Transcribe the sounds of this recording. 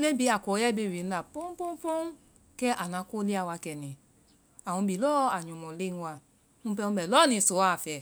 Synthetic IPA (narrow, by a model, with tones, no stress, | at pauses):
le˦bi˨˧˦a˨kɔ˨˦ɛ˦˨be˧˨wi˨n̩˦la˨po˦m˦po˦po˦ | kɛ˦ʔa˨nã˧˦ko˦li˦a˨wa˧kɛ˨nĩ˨ | a˨wũ˨˧bi˨lɔ˦a˨ɲũ˨mɔ̃˨le˦n˦wa˧˨ | ũ˧˦pɛ˧ũ˧bɛ˨lɔ˦˨nĩ˧˨so˨˦a˨fɛ˨